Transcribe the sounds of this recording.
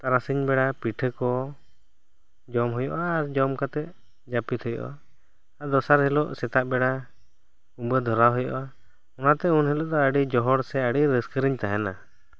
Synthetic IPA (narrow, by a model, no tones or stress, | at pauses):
t̪aɾasiɲbɛɽapiʈʰəkɔ | d͡ʒɔmɦɔjɔʔaːɾd͡ʒɔmkat̪ɛ | d͡ʒapit̪hɔjɔ̰ʔa | ad̪ɔsaɾɦɛlɔʔsɛt̪aʔbɛɽa | umbəd̪ʱɔɾawɦɔjɔ̰ʔa | ɔnat̪ɛunɦɛlɔʔd̪ɔəɖid͡ʒɔɦɔɽsɛəɽiɾəskəɾiɲt̪aɦɛna̰